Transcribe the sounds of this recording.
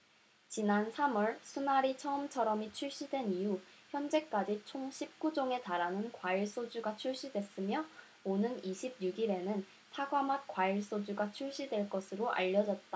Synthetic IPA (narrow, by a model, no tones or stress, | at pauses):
t͡ɕinansʰamʌɭsʰunaɾit͡ɕʰʌɯmt͡ɕʰʌɾʌmit͡ɕʰuɭɕ͈idwe̞niuçjʌnd͡ʑe̞k͈ad͡ʑit͡ɕʰoŋɕʰip̚k͈ud͡ʑoŋe̞taɾanɯnkwaiɭs͈od͡ʑuɡat͡ɕʰuɭɕ͈idwe̞s͈ɯmjʌ | onɯniɕʰib̚juɡiɾe̞nɯn | sʰaɡwamat̚kwaiɭs͈od͡ʑuɡat͡ɕʰuɭɕ͈idwe̞ɭk͈ʌsʰɯɾoʔa̰ʎːʌd͡ʑʌt̚t͈a